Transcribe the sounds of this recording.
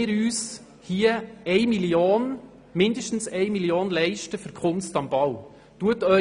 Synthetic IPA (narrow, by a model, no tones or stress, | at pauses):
ɪːɾyːs | hiːəɛɪmiljoːn | mɪndəʃtn̩sɛɪmiljoːnlɛɪʃtəfœɾkʰʊnstɑmb̥ɑw | tuətœ